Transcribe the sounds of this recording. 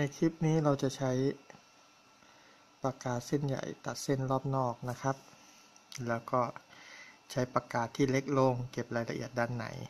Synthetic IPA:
na˧jkʰɾi˦˥p̚niː˦˥ɾa˧wt͡ɕa˨˩t͡ɕʰa˦˥j | pɾa˧kaː˨˩t̪̚se˥˩nja̰˨˩jt̪a˨˩t̪̚si˥˩nlɔː˥˩p̚nɔː˥˩k̚na˦˥kʰa˦˥p̚ | lɛː˦˥wkɔː˥˩ | t͡ɕʰa˦˥jpɾa˧kaː˨˩t̪ʰːiː˥˩le˦˥k̚lo˧ŋke˨˩p̚ɾaː˧jla˧ʔḭ˨˩ət̪̚daː˧˩nːa̰˩˦j

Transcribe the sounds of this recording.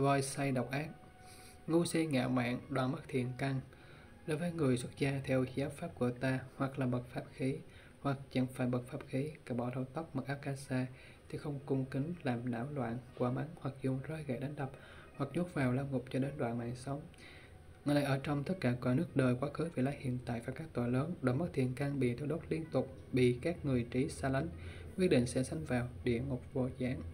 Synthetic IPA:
vɔ˧˩jsa˧jɗa˨˩wk͡p̚ʔaː˦˥k̚ | ŋu˧se˧ŋa̰ː˧˨ma̰ː˧˨nɗwaː˨nma˦˥t̚t̪ʰḭ˧˨ənka˧ŋ | ɗo˨˦jvəː˨˦jŋɨ˨˩əjswə˦˥t̚zaː˧t̪ʰɛ˧wxi˧˦ʔaː˦˥p̚faː˦˥p̚ku˧˩ət̪aː˧hwa˨˩k̚laː˨˩ɓə˨˩t̚faː˦˥p̚xi˨˦ | hwa˨˩k̚t͡ɕə̰˧˥ŋfaː˧˩jɓə˨˩t̚faː˦˥p̚xi˨˦kaː˧˩ɓɔ˧˩ɗa˧˩wt̪a˦˥wk͡p̚ma˨˩k̚ʔaː˦˥p̚kaː˧saː˧ | t̪ʰi˨˩xə˧wŋ͡mkʊ˧ŋ͡mkï˨˦ŋ̟laː˨˩mɗa̰ː˧˩wlwa̰ː˧˨nkwaː˧˦ma˨˦nhwa˨˩k̚zʊ˨˩ŋ͡mŋ͡mzɔː˧jɣa̰˧˨jɗa˨˦jŋ̟ɗə˨˩p̚ | hwa˨˩k̚ɲo˦˥t̚vaː˨˩wlaː˧wŋʊ˨˩p̚t͡ɕɔ˧ɗe˨˦nɗwa̰ː˧˨nma̰ː˧˨nsə˨˦wŋ͡m | ŋɨ˨˩jnaː˨˩jʔəː˧˩t͡ɕɔ˧wŋ͡mt̪ə˦˥t̚kaː˧˩kwaː˧˦nɨ˦˥ək̚ɗəː˨˩jkwaː˨˦xɨ˨˦vḭ˧˨laː˨˧˦jhḭ˧˨ənt̪a̰ː˧˨jvaː˨˩kaː˦˥k̚t̪o˧˨˩jləː˨˦nɗo˨˦jmə˦˥t̪ʰḭ˨˩ənkaː˧ŋɓḭ˧˨t̪o˨˧˩ɗo˦˥t̚li˧ənt̪ʊ˨˩k͡p̚ | ɓḭ˧˨kaː˦˥k̚ŋɨ˨˩əjt͡ɕi˨˦saː˧la˨˦ŋ | kwi˦˥ətɗḭ˧˨ŋ̟sɛ̰˧˥sa˧jŋ̟vaː˨˩wɗḭ˧˨əŋʊ˨˩k͡p̚vo̰˧˩zaː˨˦ŋ

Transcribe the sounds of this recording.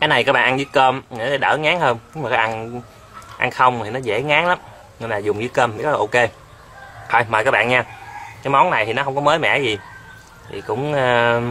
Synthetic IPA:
kaː˨˦jna˨˩jkaː˦˥k̚ɓ̰ːʔa˧nzɨ˨˦kəː˧mi˨˩n˨˦˥ɗa˧˦ɗə̰ː˧˩ŋaː˨˦ŋhəː˧nɲ˨˦ŋ͡maː˨˩kaː˨˦ʔa˧n | ʔa̰˧nxə˧wŋ͡m̪ʰi˨˩nɔ˨˦zḛ˧˩ŋaː˨˦ŋla˨˦m | ŋə˧˩nlaː˨˩zʊ˨˩ŋ͡mzɨ˨˦kəː˧mʰi˨˩kɔ˨˦˨ʔo˧ke˧ | t̪ʰɔ˧jma˨˩kaː˦˥k̚ɓaː˧˨nɲaː˧kaː˨˦jmɔ˨˦nna˨˩jt̪ʰi˨˩nɔ˨˦hə˧ŋ͡mkɔ˨˦məː˨˦jmɛ̰˧˥zi˨˩ | t̪ʰḭ˨˩kʊ̰˧˥ŋ͡mː

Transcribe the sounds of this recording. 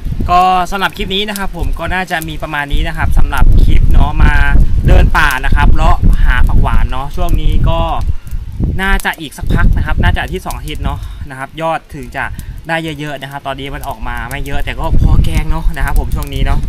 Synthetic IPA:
kɔː˥˩sa˨˦mla˨˩p̚kʰi˦˥p̚niː˦˥na˦˥kʰa˦˥pʰːo˩˦mkɔː˥˩naː˥˩t͡ɕa˨˩ʔmiː˧pɾa˧maː˧nːiː˦˥na˦˥kʰa˦˥p̚sa˨˩˦mla̰˨˩p̚kʰi˦˥p̚nɔ˦˥maː˧dɤː˧npaː˨˩na˦˥kʰa˦˥pʰɾɔ˦˥ʔhaː˩˦pa˧kʰwaː˩˦nːɔ˦˥t͡ɕʰu˥˩əŋniː˦˥kɔː˥˩ | naː˥˩t͡ɕa˨˩ʔiː˨˩k̚sa˦˥k̚pʰa˦˥k̚na˦˥kʰa˦˥p̚naː˥˩t͡ɕa˨˩t̪ʰiː˥˩sɔː˩˦ʔa˧t̪ʰi˦˥t̪̚nɔ˦˥na˦˥kʰa˦˥p̚jɔː˥˩t̪ʰːɯ˩˦ŋt͡ɕa˨˩ʔdaː˥˩jːɤ˦˥jɤ˦˥ʔna˦˥kʰa˦˥p̚t̪ɔː˧nːiː˦˥ma˧nʔɔː˨˩k̚maː˧ma˥˩jɤ˦˥ʔt̪ɛː˨˩kɔː˥˩pʰɔː˧˩kɛː˧˩ŋnɔ˦˥na˦˥kʰa˦˥pʰːo˩˦mt͡ɕʰu˥˩əŋniː˦˥nɔ˦˥ʔ

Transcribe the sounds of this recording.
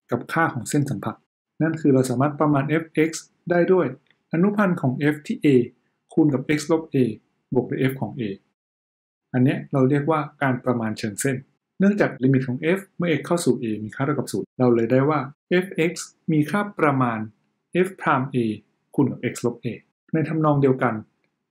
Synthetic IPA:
ka˨˩p̚kʰaː˥˩kʰɔː˩˦ŋse˥˩nsa˩˦mpʰa˨˩t̪̚ | na˥˩nkʰɯː˧ɾa˧wsaː˩˦maː˥˩t̪̚pɾa˧maː˧nʔe˦˥f̚ʔe˦˥k̚s | daː˥˩jdu˥˩əj | ʔa˧nu˦˥pʰa˧nkʰɔː˩˦ŋʔe˦˥ft̪ʰiː˥˩ʔeː˧ | kʰu˧nka˨˩p̚ʔe˦˥k̚slo˦˥p̚ʔeː˧ | bu˨˩ək̚duː˥˩˨ʔe˦˥f̚kʰɔː˩˦ŋʔeː˧ | ʔa˧nːi˦˥əɾa˧wɾi˥˩ək̚waː˥˩kaː˧npɾa˧maː˧nt͡ɕʰɤː˧nse˥˩n | nɯ˥˩əŋt͡ɕaː˨˩k̚liː˧mi˨˩t̪̚kʰɔː˩˦ŋʔe˦˥fmɯ˥˩ʔe˦˥kʰːaː˥˩wsuː˨˩ʔeː˧miː˧kʰaː˥˩ɾa˧˩ka˨˩suː˩˦ɾa˧wlɤː˧jdaː˥˩jwaː˥˩ʔe˦˥fʔe˦˥k̚s | miː˧kʰaː˥˩pɾa˧maː˧n | ʔe˦˥ft̪ʰaː˧mʔeː˧ | kʰuː˧nka˨˩p̚ʔe˦˥k̚slo˦˥p̚ʔeː˧ | na˧jt̪ʰa˧mnɔː˧ŋdi˧əwka˧n

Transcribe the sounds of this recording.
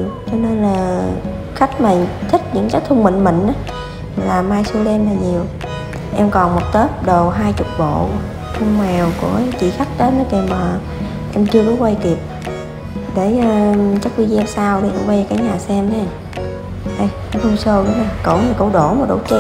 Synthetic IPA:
t͡ɕɔ˧ne˧nlaː˨˩ | xa˦˥k̟̚maː˨˩t̪ʰï˦˥k̟̚ɲɨ̰˧˥ŋkaː˦˥k̚t̪ʰʊ˧ŋ͡mmḭ˧˨ŋ̟mï˨ŋ̟ʔaː˨˦ | laː˨˩mːaː˧jsu˧ɗe˧mlaː˨˩ɲi˨˩əw | ʔɛ˧mkɔ˨˩nmo˨˩t̚t̪e˦˥p̚ɗo˨˩wɦaː˧jt͡ɕʊ˨˩k͡p̚ɓo̰˧˨ | t̪ʰʊ˧ŋ͡mmɛ˨˩wku˧˩ət͡ɕḭ˧˨xa˦˥k̚t̪ə˦˥nː˨˦ke˨˩maː˨˩ | ʔɛ˧mt͡ɕɨ˧əku˨˧˦kwa˧jk̪i˨˩əp̚ | ɗe˧˩˧t͡ɕa˦˥k̚wi˧saː˧wɗi˧ʔwə˧jkaː˨˦jɲaː˨˩sɛ˧mnɛ˧ | ʔa˧ja˨˦hu˧səː˧wɗʊ˨˦ŋ͡maː˨˩ko̰˧˩wɲa˨˩ko̰˧˦ɗo˧˩maː˨˩ɗo̰˧˩˦t͡ɕe˧

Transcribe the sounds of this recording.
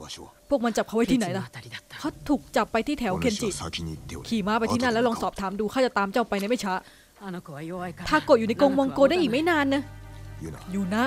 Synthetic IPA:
pʰu˥˩ək̚ma˧nt͡ɕa˨˩p̚kʰwa˦˥jt̪ʰi˥˩na˩˦jla˦˧˩kʰa˦˥t̪ʰuː˨˩k̚t͡ɕa˨˩pːa˧jt̪ʰiː˥˩t̪ʰɛː˩˦wkʰe˧nt͡ɕi˨˩kʰiː˨˩maː˦˥pa˧jt̪ʰiː˥˩na˥˩lɛ˦˥wlɔː˧ŋsɔː˨˩p̚t̪ʰaː˩˦mduː˧kʰa˥˩t͡ɕa˨˩t̪aː˧mt͡ɕa˥˩wpa˧jna˥jma˥˩jt͡ɕʰa˦˥ʔ | t̪ʰaː˥˩ko˨˩t̪̚u˨˩na˧jkoː˧ŋwɔ˧ŋkoː˧daː˥˩jʔiː˨˩k̚ma˥˩jnaː˧nːa˦˥ | juː˨˩na˦˥ʔ

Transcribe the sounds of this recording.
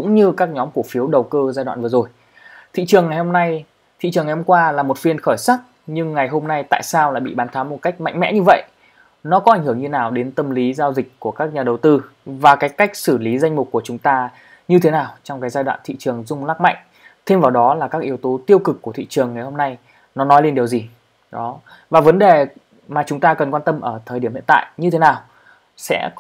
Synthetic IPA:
kʊ̰˧˥ŋ͡mɲɨ˧kaː˦˥k̚ɲɔ˨˦mku˧˩fi˨˦əwɗə˨˩wkəː˧zaː˧jɗwa̰ː˧˨nvɨ˨˩ə˩zo˨˩j | t̪ʰḭ˧˨t͡ɕɨ˨˩əŋːa˨˩jho˧mna˧j | t̪ʰḭ˧˨t͡ɕɨ˨˩ŋːa˨˩ho˧ŋ͡mkwaː˧laː˨˩mo˨˩t̚fi˧ənxəː˧˩jsa˦˥t̚ | ɲɨ˧ŋːa˨˩jɦo˧mna˧jt̪a̰ː˧˨jsaː˧wlaː˧˨jɓḭ˧˨ɓaː˨˦nt̪ʰaː˨˦mo˨˩t̚ka˦˥k̚ma̰˧˨ŋ̟mɛ̰˧˥ɲɨ˧və̰˧˨jʔ | nɔ˨˦kɔ˨˦a˧˩ŋ̟hɨ˧˩əŋɲɨ˧naː˨˩wɗe˨˦nt̪ə˧mli˨˦zaː˧wzï˨˩k̟̚ʲku˧˩əkaː˦˥k̚ɲaː˨˩ɗə˨˩wt̪ɨ˧ | vaː˨˩kaː˨˦jka˦˥jk̟̚sɨ˧˩li˨˦za˧jŋ̟mʊ˨˩k͡p̚kːu˧˩ət͡ɕʊ˨˦ŋ͡mt̪aː˧ | ɲɨ˧t̪ʰe˨˦naː˨˩wt͡ɕɔ˧wŋ͡mkaː˨˦jzaː˧jɗwa̰ː˧˨nt̪ʰḭ˧˨t͡ɕɨ˨˩əŋzʊ˧ŋ͡mlaː˦˥k̚ma̰˧˨jŋ̟ | t̪ʰe˧mvaː˨˩wɗɔ˨˦laː˨˩kaː˦˥k̚ʔi˨˦əwt̪o˨˦t̪i˧əwkɨ˨˩k̚kːu˧˩ət̪ʰḭ˧˨t͡ɕɨ˨˩əŋːa˨˩jho˧mna˧j | nɔ˨˦nɔ˨˦jle˧nɗi˨˩əwzi˨˩ | ɗɔ˨˦ | vaː˨˩və˨˦nɗe˨˩ | maː˨˩t͡ɕʊ˨˦ŋ͡mt̪aː˧kə˨˩nkwaː˧nt̪ə˧mʔəː˧˩t̪ʰəː˨˩jɗi˧˩əmhi˧˨nt̪ːjɲɨ˧t̪ʰe˨˦naː˨˩w | sɛ̰˧˥

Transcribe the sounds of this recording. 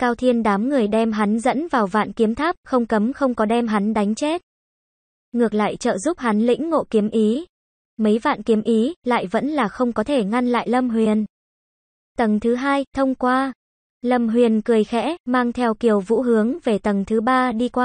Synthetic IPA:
kaː˧wt̪ʰi˧ənɗaː˨˦mŋɨ˨˩əjɗɛ˧mɦa˨˦nzə̰˧˥nvaː˨˩wva̰ː˧˨nki˨˦əmt̪ʰaː˦˥p̚xə˧wŋ͡mkə˨˦mxə˧wŋ͡mkɔ˨˦ɗɛ˧mɦa˨˦nɗa˨˦jŋ̟t͡ɕe˦˥t̚ | ŋɨ˨˩ək̚la̰ː˧˨jt͡ɕə̰ː˧˨zu˦˥p̚ha˨˦nlḭ̈˧˥ŋ̟ːo̰˧˨ki˨˦əmʔi˨˦ | mə˨˦jva̰ː˧˨nki˨˦əmʔi˨˦la̰ː˧˨jvə̰˧˥nlaː˨˩xə˧wŋ͡mkɔ˨˦t̪ʰe˧˩ŋa˧nla̰ː˧˨jlə˧mɦwi˨˩ən | t̪ə˨˩ŋt̪ʰɨ˨˦ɦaː˧jt̪ʰə˧wŋ͡mkwaː˧ | lə˧˩mɦwi˨˩ənkɨ˨˩əjxɛ̰˧˥maː˧ŋt̪ʰɛ˧wki˨˩əwvṵ˧˥ɦɨ˨˦əŋve˨˩t̪ə˨˩ŋt̪ʰɨ˨˦ɓaː˧ɗi˧kwaː˧

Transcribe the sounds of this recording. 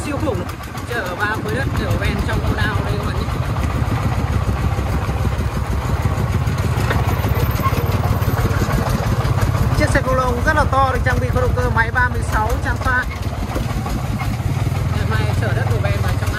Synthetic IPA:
zi˧əwfu˧˩ŋ͡m | t͡ɕəː˧˩ʔəː˧˩ɓaː˧mu˧əjɗə˦˥t̚ki˧˩˨vɛ˧nt͡ɕɔ˧wŋ͡mkːnaː˧wi˧˩waː˧˩ɲḭ˧˩˧ | t͡ɕi˦˥əsɛ˧˩ko˧˩lo̰˧˨kŋ͡mzə˦˥t̚laː˨˩t̪ɔ˧ɗɨ˨˩t͡ɕa˧ŋŋ͡mɓḭ˧˨xɔ˧ɗo̰˧˨ŋ͡mk̪əː˧˩ma˨˦jɓaː˧mɨ˧əjsa˨˦wt͡ɕa˧mfaː˧˥t̚ | t͡ɕə˧˩ma˧˩jt͡ɕəː˧˩ɗə˦˥t̚ku˧˩ɓɛ˧nɓaː˧˩t͡ɕa˧ma

